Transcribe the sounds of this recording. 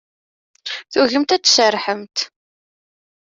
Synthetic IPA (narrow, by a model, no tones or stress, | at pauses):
θuʝəmt̪æt͡sːsərˤːħəmt̪